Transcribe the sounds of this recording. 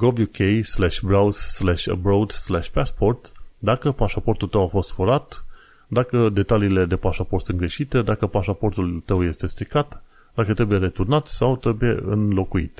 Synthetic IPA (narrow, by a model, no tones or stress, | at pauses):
ɡovjukʰejslaʃʲbɾawzslaʃʲə̰bɾowd̪slaʃʲpaspo̞rt̪d̪akəpaʃapo̞rt̪ult̪əwafo̞st̪foɾat̪ | d̪akəd̪e̞t̪aliːle̞d̪e̞paʃaport̪sunɡɾe̞ʃit̪e̞d̪akəpaʃapo̞rt̪ult̪əwje̞st̪e̞st̪ɾikat̪ | d̪akət̪ɾe̞buje̞ɾe̞t̪urnat̪sawt̪ɾe̞buje̞̰ɨnlo̞kuḭt̪